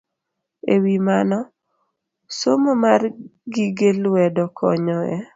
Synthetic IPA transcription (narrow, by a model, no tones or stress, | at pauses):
ewimanɔ | somomarɡiɡelwɛdɔkʰɔ̰ɲɔɛ